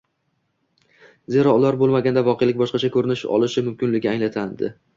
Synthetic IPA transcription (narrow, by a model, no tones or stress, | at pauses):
ze̞ɾɒʊlaɾbolˠmaɡʲand̪avɒqʰejlɪkʲbɒʃqɑt͡ʃʰakʰɵɾɪnɪʃɒ̰lˠɪʃɪmʊmkʲɪnlɪɡʲɪaŋlat̪ʰand̪ɪ̰